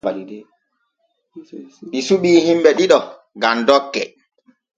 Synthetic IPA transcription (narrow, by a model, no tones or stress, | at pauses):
ɓisuɓiːhimbɛɗiɗɔ | ɡandɔkːɛ̰